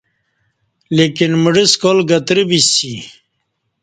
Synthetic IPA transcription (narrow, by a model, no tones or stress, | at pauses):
lekinmuɖiskolɡɐt̪ɾibisi